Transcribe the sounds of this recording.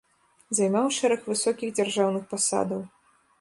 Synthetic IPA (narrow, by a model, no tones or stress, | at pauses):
zajmawʂɛɾɐxvɨsɔkʲiɣd͡zʲarʐawnɨxpasa̰d̪ɐw